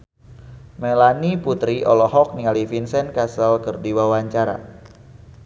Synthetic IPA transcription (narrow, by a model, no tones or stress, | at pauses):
mɛlaniput̪ɾiʔɔlɔɦɔk̚nialifinsɛnkasəlkərdiwawaɲt͡ʃaɾa̰